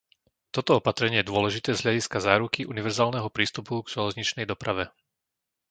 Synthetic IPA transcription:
t̪ɔt̪ɔɔpat̪ɾɛɲɪɛjɛd̪ʊɔlɛʒit̪ɛːzɦʎaɟiskazaːɾukiʔuniʋɛɾzaːlnɛɦɔpɾiːst̪upuɡʒɛlɛzɲit͡ʃnɛjd̪ɔpɾaʋɛ

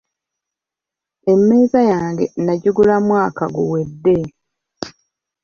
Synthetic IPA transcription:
e̞mːe̞ːzajaːŋɡe̞̰naɟuɡulamwaːkaɡuwe̞dːe̞

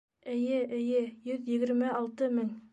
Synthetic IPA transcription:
ɘ̆jɘʔɘ̆jɘjɵðjɘ̆ɡɘ̆ɾmæɑlˠt̪ɤmɘŋ

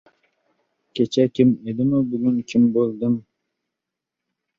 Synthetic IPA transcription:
kʲʰet͡ʃʰɛkʲʰimed̪imubyɡʲynkʲʰimbolˠd̪ɨm

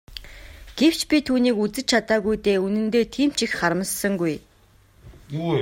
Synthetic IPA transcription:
ɡ̥ew̥t͡ɕpʲit̪ʰuːniːkut͡sɘ̆t͡ɕt͡ɕʰat̪aːɣujt̪eːunɘ̆nt̪oːt̪ʰiːm̥t͡ɕixχaɾə̆mə̆ssə̆ŋɡuj

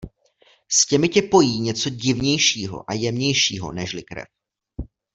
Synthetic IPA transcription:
scɛmɪcɛpo̞jiːɲɛt͡so̞ɟɪvɲɛjʃiːɦo̞̰ʔajɛmɲɛjʃiːɦo̞̰nɛʃlɪkɾɛ̰f

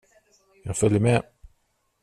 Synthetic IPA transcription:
jɑːɡfœljəmɛ

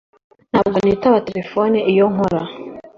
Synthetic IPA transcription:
n̥haːbɡonitaβate̞ɾe̞foniijoŋoɾa

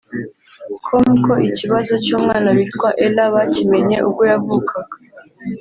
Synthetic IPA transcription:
kʰomuko̞ʔiciβazo̞t͡ʃuːmŋaːnaβitkwaʔelaβacime̞ɲe̞ʔuɡo̞javukʰaɡa

